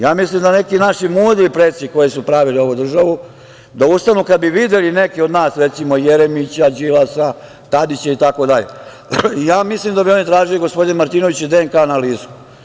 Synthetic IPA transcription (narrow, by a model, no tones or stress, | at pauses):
jaːmislimd̪ane̞kinaʃimuːd̪iipɾet̪siko̞jesupɾaʋilio̞ʋud̪r̩ʒaʋu | d̪aust̪anuːkad̪biʋid̪elinekio̞d̪naːsɾet̪simo̞jeɾemit͡ɕad͡ʑilasa | t̪ad̪it͡ɕait̪ako̞d̪aʎḛ | ijaːmislimd̪abio̞nit̪ɾaːʒiliɡo̞spo̞d̪inmaɾt̪iːno̞ʋit͡ɕɛd̪eeŋkanaliːsku̥